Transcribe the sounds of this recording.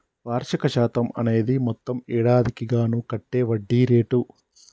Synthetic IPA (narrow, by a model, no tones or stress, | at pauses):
ʋaːɾʃɐkɐʃaːt̪ɐmɐ̰ne̞ːd̪imɔt̪ːɐmɛːɽaːd̪ikiɡaːnukɐʈːe̞ːʋɐɖːiːɾe̞ːʈu